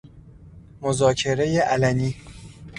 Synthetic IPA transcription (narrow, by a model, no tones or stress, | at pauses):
mozɒːcʰe̞ɾe̞jeʔælæniː